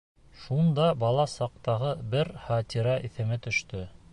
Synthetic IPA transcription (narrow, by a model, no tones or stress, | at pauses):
ʃund̪ɑbɑlˠɑsɑq̚t̪ɑʁɤbɘɾχɑt̪ʲiɾɑʔiθɘ̆mɘt̪ɵ̆ʃt̪ɵ